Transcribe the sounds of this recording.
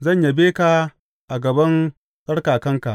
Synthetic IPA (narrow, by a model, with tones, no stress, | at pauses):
zɐ˦˨ɲja˨beː˦ka˨ | ʔa˨ɡɐ˨bɐ˦n | sʼɐ˦ɽkaː˨kɐ˦ŋka˨ʔ